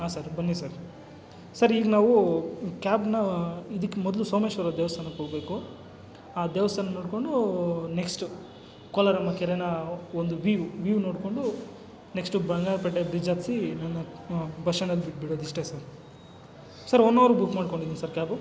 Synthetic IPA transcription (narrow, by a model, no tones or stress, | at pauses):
aːsɐɾbɐnːisɐɾ | sɐɾiːɡɐnaːʋukaːbnɐid̪ikːemɔd̪lusoːmeʃʋɐɾɐd̪eɛːʋɐst̪ʰaːnɐkoːɡbe̞ːku | aːd̪ɛːʋɐst̪ʰaːnɐnoːɽko̞ɳɖuneksʈu | koːlɐɾɐmːɐkɛɾenɐond̪uʋiʋuʋiʋno̞ːɽkoɳɖu | neksʈubɐŋɡaːɾpɐʈːebɾid͡ʒaːt̪sinɐnːɐbɐʂɐnɐlːibiʈbiɽoːd̪iʂʈesɐɾ | sɐɾɔnːɐːʋɐɾubukmaːɖko̞ɳɖid̪iːnsɐɾkaːbu